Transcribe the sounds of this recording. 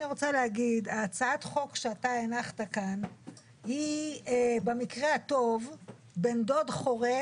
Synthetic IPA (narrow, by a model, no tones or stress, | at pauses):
niʁot͡saleaɡidaːt͡saat̪χo̞kʃeataenaχtakan | hi | bemikʁehat̪o̞v | be̞ndo̞dχo̞ʁe